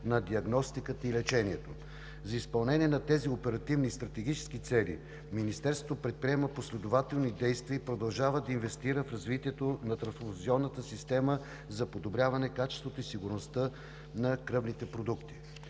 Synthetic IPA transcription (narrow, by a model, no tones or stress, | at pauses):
nɐd̪iɐɡnɔst̪ikət̪əilɛt͡ʃɛniɛt̪o | zɐispɐlˠnɛniɛnɐt̪ɛziopɛɾɐt̪ivnist̪ɾɐt̪ɛɡit͡ʃɛ̥skit̪sɛlḭ | minist̪ɛɾst̪vot̪opɾɛt̪̚pɾiɛməposlɛd̪ovat̪ɛlˠnid̪ɛjst̪viəipɾod̪ɐlˠʒavəd̪ɐinvɛst̪iɾəfɾɐzvit̪iɛt̪onɐt̪ɾɐnsziɔnːət̪əsist̪ɛmə | zɐpod̪obɾʲavɐnɛkat͡ʃɛ̥st̪vot̪oisiɡʊɾnost̪ə | nɐkɾɤvnit̪ɛpɾod̪ukt̪i̥